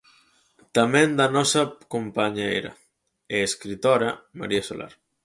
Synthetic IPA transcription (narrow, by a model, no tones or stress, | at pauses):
t̪amẽnd̪anɔsakompaɲḛjɾa̰ | eeskɾit̪oɾama̰ɾiaso̰lʔa̰ɾ